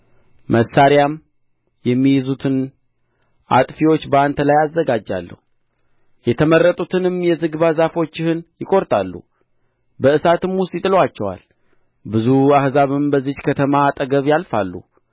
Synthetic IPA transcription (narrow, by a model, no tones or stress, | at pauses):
məsːaɾjam | jɛmːijɪzut̪ʰɨn | ʔa̰t̪ʼfiwot͡ʃːbəant̪ʰəlajazːəɡad͡ʒːa̰lːə̰hu | jɛt̪ʰəmərːət̪ʼut̪ʰɨnɨmjɛzɨɡβazafo̞t͡ʃːɪhɨnjɪkʼo̞ɾt̪ʼalːṵ | bəɨsat̪ɨmwʊst̪ʼɪt̪ʼɨlwat͡ʃːɛwa̰l | bɨzuahzaβɨmbəzːɨt͡ʃkʰət̪ʰəmaːt̪ʼəɡəβjalfalːṵ